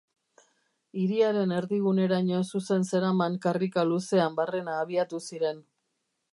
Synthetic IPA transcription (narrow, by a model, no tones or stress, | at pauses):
iɾiaɾe̞ne̞ɾðiɣune̞ɾaɲosuse̞nse̞ɾamaŋkarikaluse̞ambare̞naːβiat̪usiɾe̞n